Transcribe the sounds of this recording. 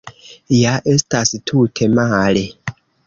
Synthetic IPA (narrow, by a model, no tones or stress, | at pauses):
jaʔe̞stastʰutʰe̞male